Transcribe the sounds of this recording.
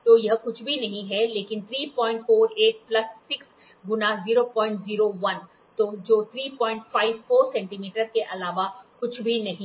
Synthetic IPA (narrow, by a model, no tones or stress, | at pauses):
t̪oːjɐɦkʊt͡ʃʰbʱinɐɦĩɦɛleːkɪnt̪ʰɾiːpɔ̃ːɪ̃ɳʈfoːɾeːʈ̚plɐsːɪks | ɡʊnaziːɾopɔ̃ːɪ̃ɳʈziːɾoʋɐn | t̪oːd͡ʒoːt̪ʰɾiːpɔ̃ːɪ̃ɳʈfaːɪʋfoːɾsɛ̃ːɳʈiːmiːʈəɾkeʔɐlaːʋakʊt͡ʃʰbʱinɐɦĩ